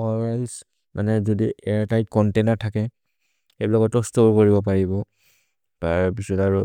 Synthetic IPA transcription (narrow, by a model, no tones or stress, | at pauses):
ɔlɹajs | mʔa̰nɛzɔdiʔɛɹtajt̚kɔntenaɹtʰakɛ | xebilakɔtːɔstoɹkoɹibɔpaɹibɔ | taɹpisɔtaɹʊ